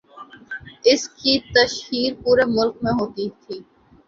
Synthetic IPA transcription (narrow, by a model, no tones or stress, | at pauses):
ɪskit̪ɐʃhiːɾpuːɾemʊlkmẽɦoːt̪it̪ʰiː